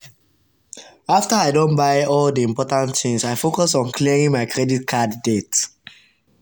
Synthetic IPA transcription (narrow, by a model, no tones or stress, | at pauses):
aftəaɪdõnbaɪɔldiĩmpɔtãntθĩŋsaɪfokɔsɔ̃nkliɹĩŋmaɪkʰɹɛdit̚kʰadːet